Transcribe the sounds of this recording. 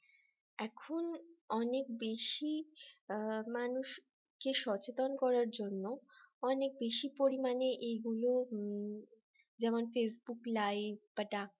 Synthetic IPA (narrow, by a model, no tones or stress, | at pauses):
ɛkʰonɔnek̚beʃi | manuʃ | keʃɔt͡ɕet̪onkɔɾaɾd͡ʑonːoɔnek̚beʃipoɾimaneʔejɡulo | d͡ʑɛmonfesbuklajbbaʈa